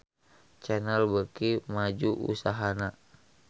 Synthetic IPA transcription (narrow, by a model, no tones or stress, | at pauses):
t͡ʃɛnɛlbəkimad͡ʒuʔṵsaɦana